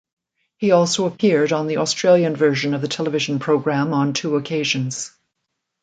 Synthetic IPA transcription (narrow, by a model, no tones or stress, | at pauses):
hiɔlˠsoʊəpʰɪɹɾn̩ðiʔɔstɹ̥eɪlˠjɨ̃nvɜ˞ʒɨ̃nʌvðɨtʰɛlˠəvɪʒn̩pʰɹ̥oʊɡɹæ̃mə̃ntʰuəkʰeɪʒɨ̃nz̥